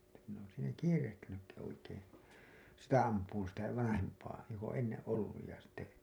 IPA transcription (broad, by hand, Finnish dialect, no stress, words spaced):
ĕ̥tːæ minˑ oːn siːnæ kiːrehtinykːi oikeːn̞ sitæ ɑmpˑuːn sitæ ʋɑnɑhempˑɑː jok õː enːẽː ʔolːuj jɑ sitːe